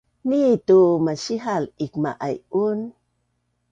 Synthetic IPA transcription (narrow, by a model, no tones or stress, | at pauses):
nitumaɕiɦalikma̰ʔajun